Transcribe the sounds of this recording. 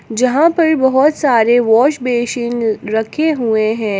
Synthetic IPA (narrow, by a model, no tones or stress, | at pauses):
d͡ʒɐɦãpɐɾbɐɦɔt̪saːɾeʋɔːʃbeːʃɪ̃ŋɾɐkʰeɦueɦɛ̃ː